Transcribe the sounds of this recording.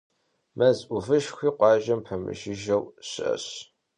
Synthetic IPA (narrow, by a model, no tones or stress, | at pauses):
mʔɐzʔuvɨʃxʷiːqʷɑːʒɐmpħəmɨ̰ʃɪʒɐwɕɪʔɐ̰ɕ